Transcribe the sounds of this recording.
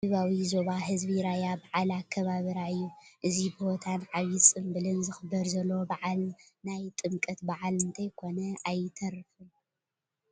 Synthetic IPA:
ɨβawizo̞βahɨzbiɾajabaʕalakʰːɐβaβiɾaɨjːuʔɨzibɨhot̪ʰanʕaβisʼɨmbɨlɨnzɨxɨbːɐɾzɐlːobaʕalnajt̪ʼɨmkʼɐt̪baʕalɨnt̪ʰɐjkʰo̞nɐajt̪ʰɐɾɨfɨn

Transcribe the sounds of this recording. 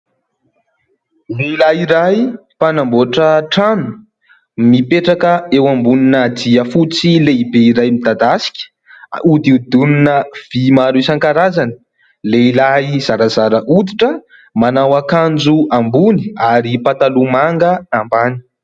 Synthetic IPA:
niilaiɾajpanamboʈ͡ʂəʈ͡ʂanu̥ | mipeʈ͡ʂakəewambuninəd̪iəfut͡sileibeiɾajmid̪ad̪asi̥kʲə̥ | ud̪iud̪uninəv̥imaɾusaŋkaɾazanə | leilaiz̥aɾazaɾəʔud̪iʈ͡ʂə | manawakand͡ʒuambuni̥aɾipat̪alumaŋɡəambani̥

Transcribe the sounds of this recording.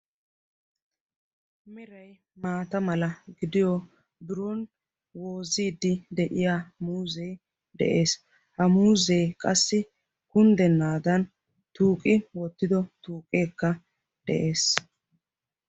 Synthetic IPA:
mɪɾɐj | maːt̪ɐmɐlɐɡɪd̪ɪjɔ | bɪɾɔn | wo̞ːziːd̪ɪd̪ɛʔɪjamuːzɛj | d̪ɛ̰ʔe̞ːs | hɐmuːzejkʼɐsːɪ | kʊnd̪ɛnːaːd̪ɐn | t̪uːkʼɪwɔt̪ːɪd̪ɔt̪uːkʼeːkːɐ | d̪̥ɛ̰ʔe̞ːs

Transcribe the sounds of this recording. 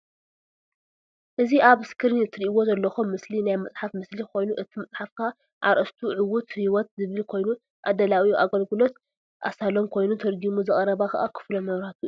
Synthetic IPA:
ʔɨziʔaβɨskʰɨɾɨniɨt̪ʰːɨɾiʔiwo̞zɐlːɐxomːɨslinajmɨt͡sʼħafmɨslikʰo̞jnuʔɨt̪ʰimɐt͡sʼħafka | ʕa̰ɾʔɐst̪ʰuʕɨwʊt̪hiwɔt̪zɨβɨlkʰo̞jnu | ʔa̰d̪ɐlawiʔaɡɐlɡɨlo̞t̪ | ʔa̰salomkʰo̞jnut̪ʰɐɾɡimuzɨχʼɐɾɐβakʰɐ̰ʔakʰɨ̥flomɐβɾat̪ʰu

